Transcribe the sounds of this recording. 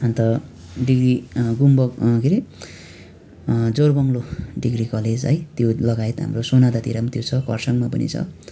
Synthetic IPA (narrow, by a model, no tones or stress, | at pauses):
ʌnt̪ʌ | ɖiɡriɡumbʌkiɾi | d͡zorbʌŋloɖiɡrikʌled͡zʌjt̪jolʌɡaet̪ɦa̰mrosonad̪at̪iɾamat̪jot͡sʰʌkʌ̰rsʌŋmapʌnḭt͡sʰʌ̰